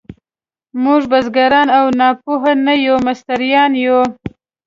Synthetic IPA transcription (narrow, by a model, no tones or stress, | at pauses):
muʐbazɡaɾɑnawnɑpuɦanajomast̪aɾjɑnjo